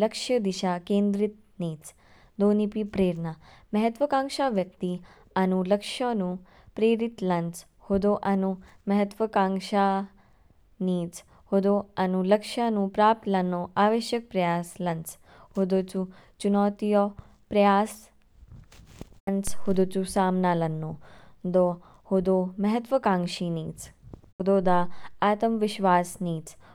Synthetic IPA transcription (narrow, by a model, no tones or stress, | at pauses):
ləkʂjəd̪iɕakẽːnd̪ɾit̪̚ | niːt͡s | d̪onipipɾeːɾnamɐɦət̪ʋəkãŋʂaʋjək̚t̪i | anuləkʂanũ | pɾeɾit̪lant͡s | hod̪oʔanumɐɦət̪ʋəkãŋʂa | niːt͡s | hod̪oanuləkʂanũːpɾap̚t̪lanoaʋeɕjək̚pɾɐjaːslɐnt͡s | hod̪oːt͡sut͡ʃunɔːt̪ijo | pɾɐjaːs | ɐnt͡shod̪oːt͡susaːmnaːlɐnːod̪o | hod̪oːmɐɦɐt̪ʋəkãːŋʃiniːt͡sɦod̪oːd̪aːaːt̪ɐmʋɪʃʋaːsniːt͡s